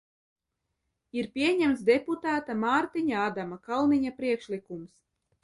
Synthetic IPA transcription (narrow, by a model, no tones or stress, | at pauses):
iɾpʲiɛɲæmt̪sd̪eput̪aːt̪amaːɾt̪iɲaad̪amakalˠniɲapɾiɛkʃlikums